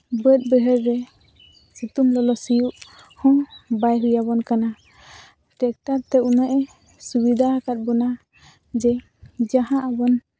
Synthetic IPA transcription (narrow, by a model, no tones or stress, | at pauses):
bət̪̚ˀbəɦəɾːɛ | sut̪umlɔlɔsijuʔ | hɔ̃bajɾujaβɔnkana | ʈɛk̚t̪aɾt̪ɛunaʔɛ | subid̪ʱaakat̪̚bɔna | d͡ʒɛ | d͡ʒaɦãʔabɔn